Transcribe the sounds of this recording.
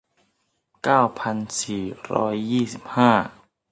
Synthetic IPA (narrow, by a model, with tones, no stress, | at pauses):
kaː˥˩wpʰa˧nsiː˨˩ɾɔ̰ː˦˥jːiː˥˩si˨˩p̚haː˥˩